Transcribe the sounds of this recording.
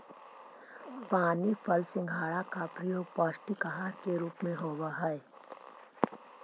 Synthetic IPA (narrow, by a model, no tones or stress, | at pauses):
paːnifʰɐlsɪ̃ŋɡʱaːɽakapɾijoːɡ̚paːsʈikaɦakeɾuːpmẽɦoːwaɦɐe